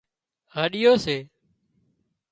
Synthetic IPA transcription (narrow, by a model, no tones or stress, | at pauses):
ɦəɗɪjoːseː